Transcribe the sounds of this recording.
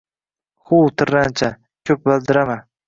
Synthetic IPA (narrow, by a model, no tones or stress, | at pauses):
χʊt̪ʰɪɾːant͡ʃʰa | kʲʰɵp̚bɪld̪ɪɾama